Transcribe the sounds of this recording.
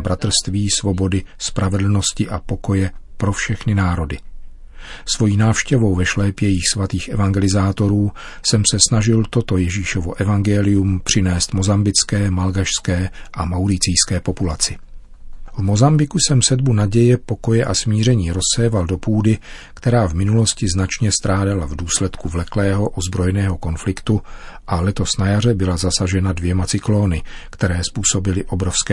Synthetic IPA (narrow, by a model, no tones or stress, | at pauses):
bɾat̪r̩st̪viːsvo̞bo̞dɪspɾʔavɛdl̩no̞scɪʔapo̞ko̞jɛpɾo̞fʃɛxnɪnaːɾo̞dɪ | svo̞jiːnaːfʃcɛvo̞wvɛʃlɛːpjɛjɪxsvat̪iːxʔɛvaŋɡɛlɪzaːt̪o̞ɾuː | sɛmsɛsnaʒɪlt̪o̞t̪o̞jɛʒiːʃovo̞̰ʔɛvaŋɡɛlɪjumpr̝̥ɪnɛːst̪mo̞zambɪt͡skɛːmalɡaʃskɛːʔamawɾɪt͡sɪjskɛːpo̞pulat͡sɪ | vmo̞zambɪkusɛmsɛdbunaɟɛjɛpo̞ko̞jɛʔasmiːr̝ɛɲiːɾo̞sːɛːvaldo̞puːdɪkt̪ɛɾaːvmɪnulo̞scɪznat͡ʃɲɛst̪ɾaːdalavduːslɛt̪kuvlɛklɛːɦo̞ʔozbɾo̞jɛnɛːɦo̞ko̞nflɪkt̪uʔalɛt̪o̞snajarɛbɪlazasaʒɛnadvjɛmat͡sɪkloːnɪkt̪ɛɾɛːspuːso̞bɪlɪʔo̞bɾo̞fskɛː